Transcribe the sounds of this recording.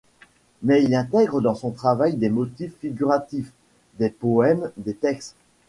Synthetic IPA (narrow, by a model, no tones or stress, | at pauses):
mɛilɛ̃t̪ɛɡʁəd̪ɑ̃sɔ̃t̪χavajd̪emɔt̪ifːiɡʲyʁat̪if | d̪epɔɛmd̪et̪ɛkst̪